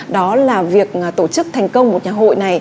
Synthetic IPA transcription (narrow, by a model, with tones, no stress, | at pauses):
ɗɔ˨˦laː˨˩vi˨˩ək̚ːt̪o˧˩t͡ɕɨ˦˥k̚t̪ʰɛ˨˩jŋ̟kə˧wŋ͡mmo˨˩t̚ɲaː˨˩ɦo̰˧˨jna˨˩j